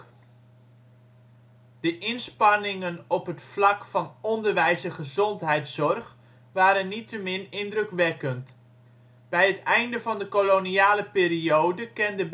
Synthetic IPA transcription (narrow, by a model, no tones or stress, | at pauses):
d̥əʔɪnspɑnɪŋənɔpɦətflɑkfɑnɔndərʋɛjzəχəzɔntɦɛjtsɔrχ | ʋaːɾənːitəmɪnɪndrəkʋɛkənt | b̥ɛjɦətɛjndəvɑndəkoloniaːləpɪːriowdəkɛndəb